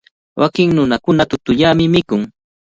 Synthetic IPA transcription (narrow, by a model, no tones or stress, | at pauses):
wʔakɪŋnʊnakʊnat̪ʊt̪ʊʎamɪmɪkʊŋ